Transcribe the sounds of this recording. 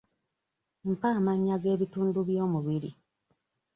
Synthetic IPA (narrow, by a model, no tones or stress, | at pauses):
m̩paːmaɲːaɡe̞ːβituːnduβjoːmuβiɾi